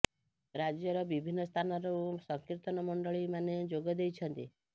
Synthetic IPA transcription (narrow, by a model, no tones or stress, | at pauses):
ɾad͡ʒjɔɾɔbibʱinːɔst̪ʰanɔɾɔsɔŋkiɾt̪ɔnɔmɔɳɖɔɭimaned͡ʒoɡɔd̪ejt͡ʃʰɔnt̪i